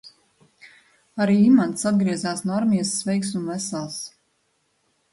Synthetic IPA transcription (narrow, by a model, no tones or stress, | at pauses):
aɾiːimant̪sad̪ɡɾiɛzaːsnɔaɾmiɛsːvɛjksunvæsalˠs